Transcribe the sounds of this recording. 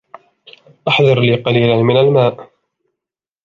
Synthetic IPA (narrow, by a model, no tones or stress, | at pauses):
ʔaħðɑɾˤliːqɑliːlanmɪnalmaːʔ